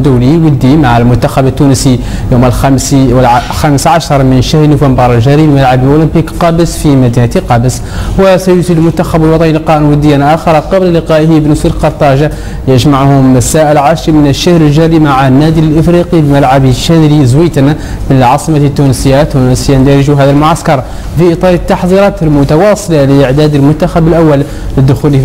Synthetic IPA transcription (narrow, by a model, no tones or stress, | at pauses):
d̪ʊwliwəd̪ːimaʕalmʊnt̪ːaxabət̪ːunsi | juməlxsxæməsʕaʃɑɾˤmənʃahɾnʊfəmbɑɾˤəlʒæɾibmalʕablʔulɪmpikqɑbəsfimæd̪ihæt̪iqɑbəs | wəsæjusid̪lmʊnt̪ːaxæbəlwɑt̪ˤɑnilqɑʔnwəd̪ːəjanʔæxɑɾˤɑqɑblləqɑːʔhibnʊsulqɑɾˤt̪ˤɑʒa | jɪʒmaʕhʊmasaʔɪlʕaːʃɾimənəʃːahɾəlʒaɾimaʕanːæːd̪ilʔəfɾiqilmalʕabʃːæd̪ɾizwiːt̪an | mɪnlʕɑːsˤɨmat̪ːunsəjːat̪wnsjand̪æɾɪʒuɦaːðælmʊʕaskɑɾˤ | fiʔɨt̪ˤɑːɾˤət̪ːɑħðˤiɾˤɑːt̪əlmʊt̪awɑːsˤɨlaləʔɪʕd̪æːd̪əlmʊt̪ːaxabɪlʔawːal | ləd̪ːʊxul